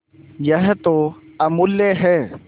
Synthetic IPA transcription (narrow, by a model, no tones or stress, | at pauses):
jəɦt̪oɐmʊlːeɦɛː